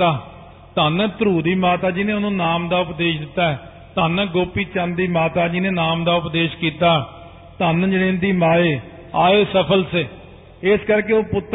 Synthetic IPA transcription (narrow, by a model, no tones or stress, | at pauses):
aː | t̪anɛːt̪ɾuːd̪iːmaːt̪aːd͡ʒiːnẽːʊnũːnaːmd̪aːʊpd̪eːʃd̪ɪt̪ːaːɛː | t̪aːnɛːɡoːpiːt͡ʃənd̪iːmaːt̪aːd͡ʒiːnẽːnaːmd̪aːʊpd̪eːʃkiːt̪aː | t̪əːnd͡ʒenẽːnd̪iːmaːeː | aːeːsəpʰəlseː | ɪskəɾkeːoːpʊt̪ː